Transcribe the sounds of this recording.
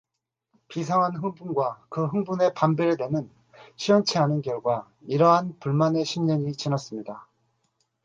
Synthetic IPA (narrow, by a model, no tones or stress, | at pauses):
pisʰaŋɦanɦɯŋbunɡwakɯɦɯŋbune̞pambeɾedwenɯn | ɕʰiwʌnt͡ɕʰeɦanɯnkjʌɭɡwa | iɾʌɦanpuɭmane̞ɕʰimɲʌɲit͡ɕinʌs͈ɯmɲida